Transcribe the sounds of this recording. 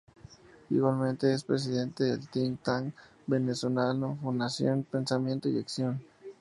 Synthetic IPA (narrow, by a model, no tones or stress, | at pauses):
ḭɣwalmẽnt̪e̞espɾes̬iðe̞nt̪eðelt̪int̪aŋ | be̞neso̞lanofund̪asjo̰npe̞nsamje̞nt̪oḭaksjon